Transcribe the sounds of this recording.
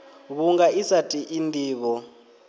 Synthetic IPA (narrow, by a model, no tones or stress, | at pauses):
βuŋɡaisatʼiʔindʱiːβɔ